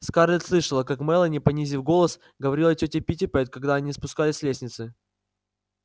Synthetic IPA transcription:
skarlʲɪt̪slˠɨʂəlˠəkakmɛlˠənʲɪpɐnʲizʲɪfɡo̞lˠəs | ɡəvɐɾʲilˠətʲotʲɪpʲitʲɪpɛt̪̚kɐɡd̪aɐnʲispʊskalʲɪsʲlʲesʲnʲɪt̪sɨ

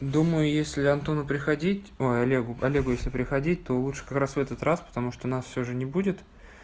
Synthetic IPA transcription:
d̪uməjʊjesʲlʲɪɐnt̪o̞nəpɾʲɪxɐdʲitʲojɐlʲeɡʊɐlʲeɡʊjesʲlʲɪpɾʲɪxɐdʲit̚ʲt̪o̞lˠutʂɨ̥kɐkɾasvɛt̪ət̪ɾraspə̥t̪ɐmuʂt̪onasfʲsʲoʐɨnʲɪbudʲɪt̪

